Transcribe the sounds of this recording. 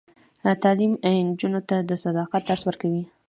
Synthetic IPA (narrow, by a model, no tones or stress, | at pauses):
t̪ɑlimand͡ʒunot̪ad̪əsad̪ɑqat̪̚d̪aɾswəɾkawi